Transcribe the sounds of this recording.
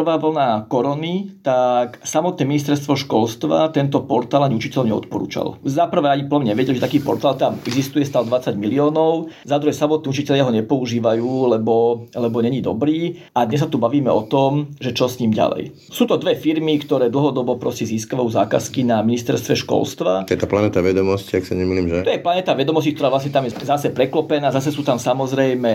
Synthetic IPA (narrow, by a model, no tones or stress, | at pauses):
rʋaːʋl̩nakɔɾɔnit̪aksamɔt̪nɛːminist̪ɛɾst̪ʋɔʃkɔlst̪ʋa̰t̪ɛnt̪ɔpɔɾt̪aːlaɲiut͡ʃicɛʎɔɲɛɔ̰t̪̚pɔɾṵːt͡ʃa̰lzapr̩ʋɛːaɲipləmɲɛʋɛɟɛlʒɛt̪akiːpɔ̰ɾt̪aːlt̪ɛaamɛɡzist̪ujɛst̪aːld̪ʋat͡saɟmiliɔːnɔʊzad̪ɾuɦɛsamɔt̪̚niːut͡ʃicɛʎɪaɦɔɲɛpɔuʒiːʋajuːlɛbɔlɛbɔɲɛɲid̪ɔ̰bɾiː | ad̪ɲɛs̬at̪ubaʋiːmɛ̰ɔt̪ɔmʒɛt͡ʃɔsɲiːmɟa̰lɛ̰j | suːt̪ɔd̪ʋɛfiɾmikt̪ɔɾɛːd̪l̩ˠɦɔd̪ɔbɔpɾɔscɛziːskaʋajuːzaːka̰skinaminist̪ɛɾst̪ʋɛʃkɔ̰lst̪ʋa̰ɔjɛt̪aplanɛt̪aʋɛd̪ɔmɔsciaksiɲɛmisliːmʒɛt̪ɔjɛplanɛːt̪aʋɛd̪ɔmɔscikt̪ɔɾaːʋlasɲɛt̪amjɛzasɛpɾɛklɔpɛnaːzasɛsuːt̪amsamɔzɾɛjmɛ